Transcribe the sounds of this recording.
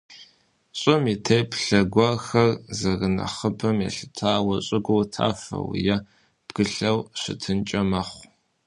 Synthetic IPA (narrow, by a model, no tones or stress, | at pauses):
ɕʼɪmitʰejpʰɬɐɡʷɔxɐrzɐrɨnɐ̰χəpʰɐmjɛ̰ɬɨ̥tʰaːwɐɕʼɪɡʷowtʰa̰ːfɐ̰wjɛ | b̥ɡ̥ɨɬɐwɕɪ̰tʰɨnt͡ʃʼɐmɐχʷ